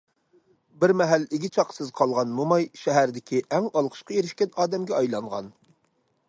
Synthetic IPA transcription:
bɪɾmɛɦælːɪɡʲɪt͡ʃʰɑqsɨzqʰɑlˠʁɑnmumɑjʃɛɦæɾd̪ɪkʲiʔɛŋɑlˠqʰə̥ʃqɑjeɾɪʃkʲɛnɑːd̪ɛmɡʲɛɑjlˠɑɴʁɑ̰n

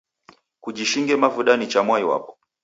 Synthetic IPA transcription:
kuʄiʃiŋɡɛmavuɗanit͡ʃamwaiwa̰pɔ̥

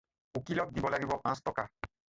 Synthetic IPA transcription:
ukilɔk̚d̪ibɔlaɡibɔpãstɔka̰

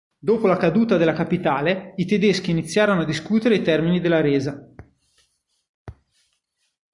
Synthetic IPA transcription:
d̪oːpolakad̪uːt̪ad̪elːakapit̪aːleit̪ed̪esk̟iːnit̪sːjaːɾonoad̪iskuːt̪eɾeit̪ɛrminid̪elːaɾeːza

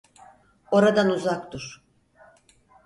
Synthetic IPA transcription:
o̞ɾad̪anuzakt̪uɾ̥

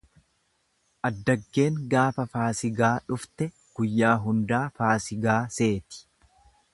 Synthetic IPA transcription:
ʔɐd̪ːɐɡːe̞ːŋɡaːfɐfaːsɪɡaːᶑʊft̪ɛ | ɡ̥ʊjːaːɦʊnd̪aːfaːsɪɡaːse̞ːt̪ɪ̥

